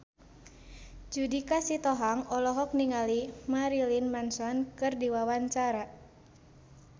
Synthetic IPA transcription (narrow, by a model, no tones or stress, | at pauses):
d͡ʒudikasit̪ɔɦaŋɔlɔɦɔk̚niŋalimaɾilinmansɔnkɨrdiwawaɲt͡ʃaɾa